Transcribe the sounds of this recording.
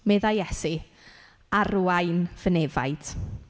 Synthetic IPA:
mɛðajjɛsi | aruajnv̥ənɛva̰jd̥

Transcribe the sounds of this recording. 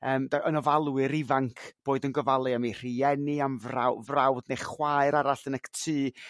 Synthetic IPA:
əːmdaʔənɔvalˠwɨɾɪvaŋkʰb̥oːɨdənɡɔvalˠɨamir̥iɛniamvrawvrawdnejχwaɨɾaɾaɬənɛktʰɨː

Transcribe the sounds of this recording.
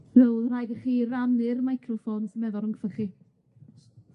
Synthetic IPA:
nəwlrajɡəχiːramnɪrmajkʰrɔfoːnsəmɛðɔɾˠəŋɡfəχi

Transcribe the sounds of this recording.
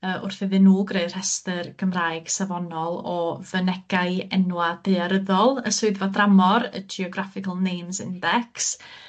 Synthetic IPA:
əːʔʊ̰rθɪðɨnːuːɡreɨr̥ɛstɨrɡ̥əmraːjɡ̥savɔnɔlˠɔvənɛɡ̥aɨɛnwad̥eɨaɾəðɔlˠəsʊɨðvadramɔɾə̰d͡ʒiɔɡɾafɪkʰəlˠnejmsɪndɛks

